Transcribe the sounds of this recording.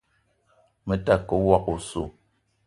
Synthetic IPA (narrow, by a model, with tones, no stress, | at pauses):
mə˦ta˦˨kə˨˦wa˦ku˨so̰˨